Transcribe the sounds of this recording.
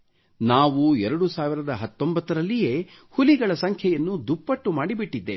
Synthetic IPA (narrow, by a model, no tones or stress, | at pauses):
naːʋuɛɾɐɽusaːʋiɾɐd̪ɐɦɐt̪ːo̞mbɐt̪ːɐɾɐlːije̞ː | huliɡɐɭɐsɐŋkʰjɛjɐnːud̪upːɐʈːumaːɽibiʈːid̪ːe